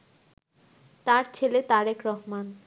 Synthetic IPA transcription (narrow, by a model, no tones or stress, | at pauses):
t̪aɾt͡ɕʰelet̪aɾekɾɔɦman